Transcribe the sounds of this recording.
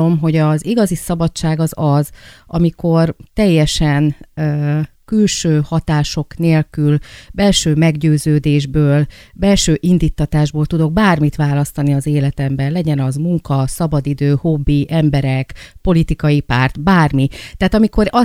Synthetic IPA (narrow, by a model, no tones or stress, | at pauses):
o̞mɦo̞ɟɒziɡɒzisɒbɒt͡ʃːaːɡɒzɒzʔɒmiko̞rt̪ɛjːɛʃɛn | kylʃøːhɒt̪aːʃo̞kneːlkylbɛlʃøːmɛɡɟøːzøːd̪eːʒbøːlbɛlʃøːʔind̪iːt̪ːɒt̪aːʒboːlt̪ud̪o̞ɡ̚baːrmit̪ʋaːlɒst̪ɒniɒzeːlɛt̪ɛmbɛnlɛɟɛnɒzmuŋkɒsɒbɒd̪id̪øːho̞bːiʔɛmbɛɾɛkpo̞lit̪ikɒjipaːrt̪baːrmit̪aːt̪ɒmiko̞ɾɒ